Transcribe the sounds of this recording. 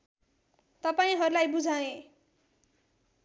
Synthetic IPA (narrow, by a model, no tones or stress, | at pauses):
t̪ʌpaĩɦʌɾulajbud͡zʱawẽ